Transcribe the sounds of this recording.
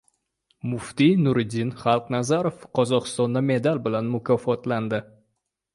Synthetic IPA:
mʊft̪inʊɾɪd̪ɪnχalˠqnazaɾofqʰɒzɒqɨ̥st̪ɒnd̪ame̞d̪albɪlanmʊkʲʰɒfɒt̪land̪ɪ

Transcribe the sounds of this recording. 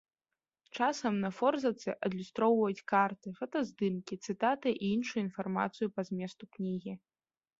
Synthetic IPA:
t͡ʂasɐmnɐfɔrzɐt̪sɨʔɐd̪lʲust̪ɾɔwvɐjut͡sʲkart̪ɨfɐt̪ɐzd̪ɨmkʲit̪sɨt̪at̪ɨʔiinʂujuinfarma̰t̪sɨjupɐzʲmʲɛst̪uknʲiɣʲi

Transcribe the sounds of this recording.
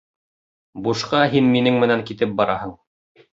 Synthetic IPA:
buʃqɑɦinminɘŋmɘ̆næŋkit̪ɘp̚bɑɾɑ̰ɦɤɴ

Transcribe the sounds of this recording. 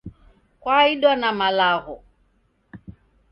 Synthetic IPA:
kwaiɗɔnamalaɣɔ

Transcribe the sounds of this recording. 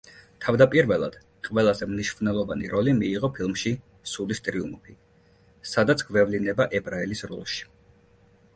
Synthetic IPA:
t̪ʰavd̪apʼiɾvɛlˠa̰d̪̥ | qʼvɛlˠazɛmniʃvnɛlˠɔvanḭɾʔɔlimiːʁɔpʰilˠmʃi | sulist̪ʼɾiṵmɔpʰi | sad̪at̪sʰɡ̥vɛvlinɛbaʔɛbɾaɛlisɾɔ̰lˠʃi̥

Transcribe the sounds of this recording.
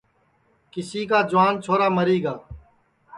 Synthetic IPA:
kɪsiːkaːd͡ʒʊʋaːnt͡ʃʰoːɾaːməɾiːɡaː

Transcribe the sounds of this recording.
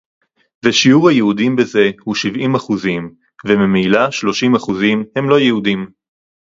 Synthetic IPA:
veʃiuʁhajehud̪imbeze̞huʃivimaχuzim | vemimilaʃlo̞ʃimaχuzimhe̞mlo̞jehud̪im

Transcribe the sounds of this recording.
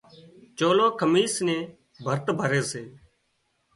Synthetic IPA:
t͡ʃoːloːkʰəmiːsnẽː | bʱəɾt̪bʱəɾeːseː

